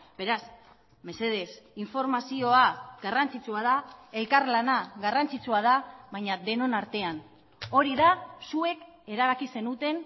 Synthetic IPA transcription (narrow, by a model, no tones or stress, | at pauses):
b̥e̞ɾas | me̞se̞ð̞e̞siɱfo̞ɾmasio̞aɡarant͡sit͡suaðae̞lkaɾlanaɣarant͡sit͡suað̞aβajɲaðe̞no̞naɾt̪e̞an | o̞ɾiðasue̞k | e̞ɾaβ̞akise̞nut̪e̞n